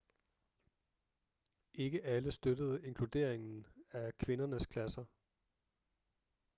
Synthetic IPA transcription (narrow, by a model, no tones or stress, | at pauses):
ʔe̝ɡ̥əʔæləsd̥øɾ̥əð̞̩ˠe̝ŋkʰlud̥e̝̰ɐ̰eŋn̩ækʰʋe̝nɐnəskʰlæsɐ